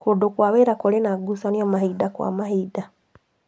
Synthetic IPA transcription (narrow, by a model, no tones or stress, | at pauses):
kodokwaβeɾakolenaɡusaniomahiːdakwa̰mahida